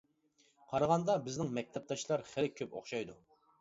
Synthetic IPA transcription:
qʰɑɾɑʁɑnd̪ɑbɪznɪŋmɛk̚ʲt̪ʰɛp̚t̪ʰɑʃlˠɑɾχɪlɪkʲʰøpo̰χʃɑjd̪u

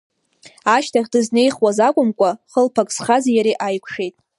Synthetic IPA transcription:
aʃtʰaχʲdɨzne̞jχwazakʷʼʊmkʷʼaχəlpʰakʼsχazajaɾiʔajkʷʰʂe̞jtʼ

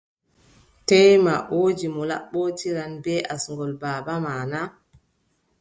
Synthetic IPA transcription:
tɛjma̰ʔoːd͡ʒimɔla̰ɓːɔtiɾanbɛʔasŋɡɔlbaːbamaːna

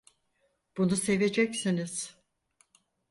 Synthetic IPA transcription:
b̥unuse̞ve̞d͡ʒɛcsiniz̥

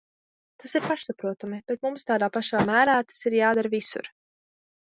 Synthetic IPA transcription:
t̪asiɾpaʃsapɾuɔt̪amib̥ɛt̪mumst̪aːd̪aːpaʃaːmæːɾaːt̪ḁsiɾjaːd̪aɾvisṵɾ

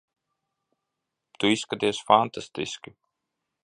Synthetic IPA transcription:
t̪uiskad̪eːsfɑnt̪ɑst̪ḭski

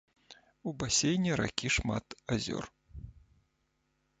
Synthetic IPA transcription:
ubasʲejnʲɛɾa̰kʲiʂma̰t̪azʲɔ̰r

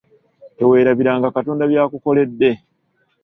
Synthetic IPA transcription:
e̞we̞ːɾaβiɾaːŋɡakatoːndaβjaːkuko̞le̞dːe̞

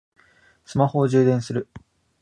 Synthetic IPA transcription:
sɨmaho̞ːʑɨːd̪ẽ̞ɰ̃sɨɾɯ̟

